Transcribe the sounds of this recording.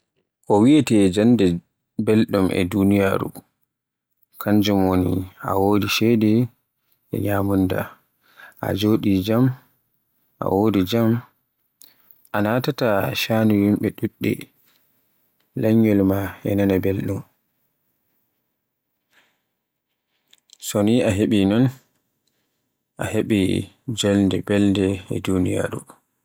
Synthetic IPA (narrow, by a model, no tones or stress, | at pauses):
ʔɔwiɛtɛd͡ʒandɛ | bɛlɗumʔɛ̰dunijaːɾṵ | kʰaɲd͡ʒumwonḭʔa̰woːdiʃɛjdɛ | ɛ̰ɲamunda̰ | ʔa̰d͡ʒoːɗid͡ʒam | ʔa̰wodid͡ʒam | ʔanatataʃaːnujimɓɛɗuɗːḭ | laɲːɔlmaɛ̰nanabelɗum | soniaɦeɓinɔn | ʔaheɓḭ | d͡ʒɛlndɛbɛldɛɛ̰dunija̰ːɾṵ